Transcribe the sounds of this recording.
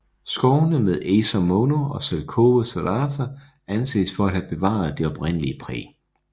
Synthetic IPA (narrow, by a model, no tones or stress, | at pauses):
sɡ̥ɒʊnəmeð̞ˠeːsæmonoɒ̽selˠkʰoːʋəsæðˠɑt͡sʰɐ | ænse̝̰ːsfɒ̽æd̥hæb̥e̝ʋɑ̰̈ð̞ˠd̥e̝ɒ̽b̥ʁen̰əliəpʰʁɛ̰ː